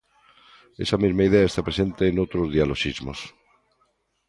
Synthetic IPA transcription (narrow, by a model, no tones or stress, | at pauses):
ḛsamizmaiðeaest̪apɾese̞nt̪eːnowt̪ɾozðialoʃizmos